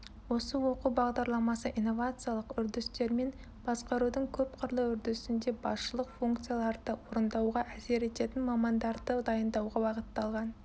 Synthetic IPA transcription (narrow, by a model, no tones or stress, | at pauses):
wo̞səwo̞qubɑʁd̪ɑɾlˠɑmɑsəʔijnːo̞vat̪sɨjalˠəqʏɾd̪ɪst̪e̞ɾme̞n | b̥ɑsqɑɾud̪əɴkʲʰɵp̚qʰəɾlˠəʏɾd̪ɪsɪnd̪e̞bɑsʃəlˠəqfuŋkt̪sɨjalˠɑɾd̪əwo̞ɾənd̪ɑwʁɑʔæse̞ɾe̞t̪e̞t̪ɪnmɑmɑnd̪ɑɾd̪əd̪ɑjənd̪ɑwʁɑbɑʁət̪ːɑlˠʁɑn